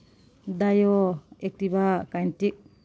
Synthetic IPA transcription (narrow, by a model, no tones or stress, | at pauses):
dajoek̚tibakajntik̚